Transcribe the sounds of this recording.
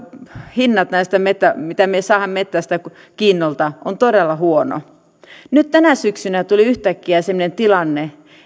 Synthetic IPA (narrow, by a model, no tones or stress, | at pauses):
hinːɑt̪næist̪æmet̪ːæmit̪æmiesɑːhɑmmet̪ːæst̪æ | kiːnːolt̪ɑʔont̪odelːɑhuono̰ | nyt̪t̪ænæsyksynæt̪uliyht̪ækːiæsemːonent̪ilɑnːe